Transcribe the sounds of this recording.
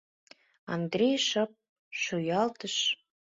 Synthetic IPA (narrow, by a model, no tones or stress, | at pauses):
ɑ̰nd̪rʲejʃɤp̚ | ʃujɑlt̪əʃ